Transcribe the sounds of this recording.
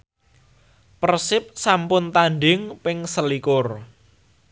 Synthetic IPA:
pərsɪp̚sampʊnt̪anɖɪŋpɪŋsəlikʊr

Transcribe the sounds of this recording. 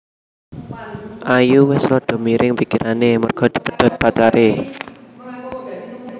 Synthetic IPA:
ʔajuwɛsɾɔd̪̥o̤miɾʔɪŋpikiɾanemərɡ̥ɔ̤d̪̥i̤pə̥ɖ̪̥ɔ̤t̪̚pat͡ʃaɾe

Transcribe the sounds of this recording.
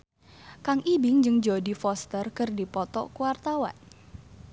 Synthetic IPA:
kaŋʔibɪŋd͡ʒɨŋd͡ʒodifɔst̪ərkɨrdipɔt̪ɔ̰kuwart̪awa̰n

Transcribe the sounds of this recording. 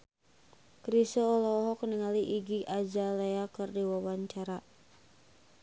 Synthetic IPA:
kɾisɔːlɔɦɔkəniŋaliʔiɡiʔad͡ʒaleakɨrdiwawaɲt͡ʃaɾa

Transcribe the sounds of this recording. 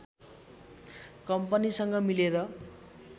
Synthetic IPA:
kʌmpʌnisʌŋɡʌmileɾʌ

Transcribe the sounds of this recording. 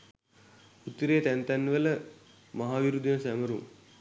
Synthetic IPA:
ut̪ːəɾeːt̪ænt̪ænːʋələ | maɦaːʋiɾud̪jənsæməɾṵŋ

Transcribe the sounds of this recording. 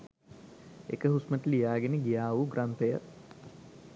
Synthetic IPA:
ḛkəɦusməʈəlijaːɡeneɡijaːʋuɡrʔant̪ejə

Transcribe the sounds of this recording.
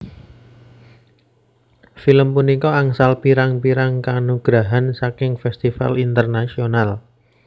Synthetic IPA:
filəmpunikɔaŋsalpiɾaŋpiɾaŋkanuɡ̥ɾaɦansakɪŋfɛst̪ifa̰lint̪ərnasional

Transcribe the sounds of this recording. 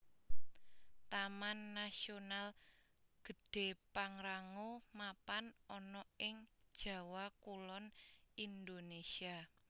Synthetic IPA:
t̪amanːasional | ɡ̥ə̤ɖ̥e̤paŋɾaŋomapanɔnɔɪŋd̥ʒ̥ä̤wakulɔnind̪onesia

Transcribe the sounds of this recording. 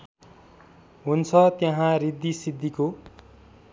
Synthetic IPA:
ɦunt͡sʰʌt̪jʌɦãrid̪ːisid̪ʱːiko

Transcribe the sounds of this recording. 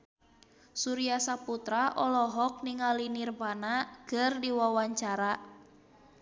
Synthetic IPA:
suɾiasaput̪ɾaʔɔlɔɦɔk̚niŋalinirbanakɨrdiwawaɲt͡ʃaɾa

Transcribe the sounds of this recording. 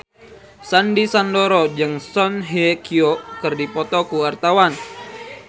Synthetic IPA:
sandisandoɾɔd͡ʒɨŋsɔnɦiekiɔkɨrdipɔt̪ɔkuwart̪awan

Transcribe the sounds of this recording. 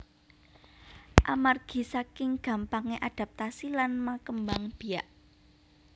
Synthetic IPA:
ʔamarɡ̥i̤sakɪŋɡ̥ä̤mpaŋeʔaɖ̪̥a̤p̚t̪asilanmakəmbaŋb̥i̤aʔ

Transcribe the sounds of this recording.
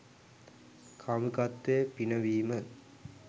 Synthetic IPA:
kʰamukat̪ːepinəʋiːmə

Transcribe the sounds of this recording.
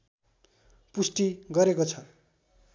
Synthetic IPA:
pusʈiɡʌɾekot͡sʰʌ

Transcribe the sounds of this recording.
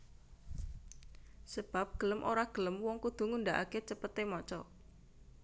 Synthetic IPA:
səb̥ap̚ɡ̥ə̤ləmʔoɾaɡ̥ələmwɔŋkud̪̥ṳŋund̪aʔaket͡ʃəpət̪emɔt͡ʃɔ

